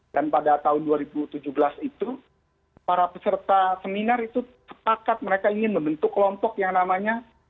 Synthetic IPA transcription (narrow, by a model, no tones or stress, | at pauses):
d̥anpadat̪aɦʊnduaɾibut̪ud͡ʒuhbəlasit̪u | paɾapəsərt̪asəminarit̪usə̥pakat̪̚məɾekaiŋɪnməmbənt̪ʊkːəlɔmpɔkjaŋnamaɲa